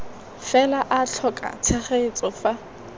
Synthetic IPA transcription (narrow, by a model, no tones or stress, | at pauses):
fɛlaʔaɬʰɔkʼa̰t͡sʰɛχeɪt͡sʼɔfa